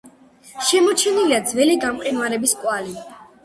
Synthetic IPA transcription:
ʃɛmɔt͡ʃʰɛniliad̪zvɛliɡamqʼinvaɾɛbiskʼwali

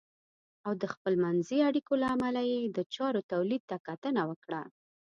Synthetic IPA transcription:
awd̪əxpəlmanziaɽikolaːmalajed̪ət͡ʃɑɾot̪awlid̪̚t̪akat̪ənawəkɽa

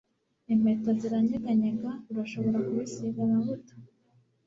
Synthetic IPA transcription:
em̥etoziɾaɲiɡaɲeɡauɾaʃo̞βo̞ɾakuβisiɡaβaβutḁ

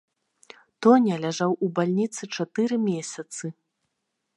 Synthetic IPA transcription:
t̪ɔnʲɐlʲaʐawubalʲnʲit̪sɨt͡ʂat̪ɨɾɨmʲesʲɐt̪sɨ

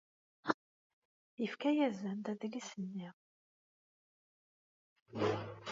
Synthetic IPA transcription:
jəfkæjæzænd̪æðlisənːiʁ

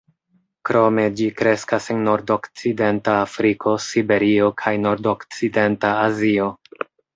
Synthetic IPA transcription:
kɾo̞me̞d͡ʒikɾe̞skase̞nːo̞ɾdo̞kt͡side̞ntaːfɾikʰo̞sibe̞ɾio̞kʰajno̞ɾdo̞kt͡side̞ntaːzio̞

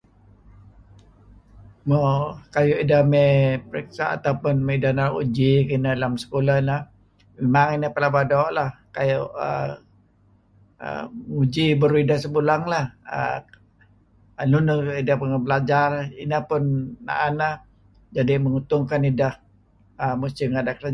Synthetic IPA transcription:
mokajuʔidahmɛpəɾɛksa̰a̰t̪aupʊnmedanaɾṵd͡ʒikənədalamsə̥kolahnəh | memaŋinəhpəlabadɔʔlahkajʊʔə̰ | ə̰ud͡ʒibəɾuidahsəbulaŋlahə̰ | lunəidahpunəbəlad͡ʒarḭnəhpʊnːa̰ʔanəh | d͡ʒadiməŋut̪ʊŋkanidah | əmust̪iŋadakəna

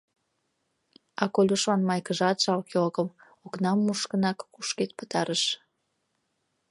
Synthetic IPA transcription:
ɑkolʲoʃlɑnmɑjkəʒɑt̪ʃɑlkolkəm | oknɑmːuʃkənɑkːuʃket̪̚pə̥t̪ɑɾəʃ

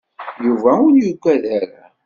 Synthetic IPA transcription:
juvæʊnjuɡʷæðaɾa

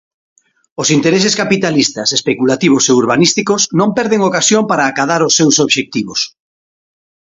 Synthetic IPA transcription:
ʊsint̪eɾes̬eskapit̪alist̪ɐsespekulat̪iβ̞oseuɾβanist̪ikosnõmpɛɾðeŋokasjompaɾaːkaðaɾosːewsoβʃek̚t̪iβos

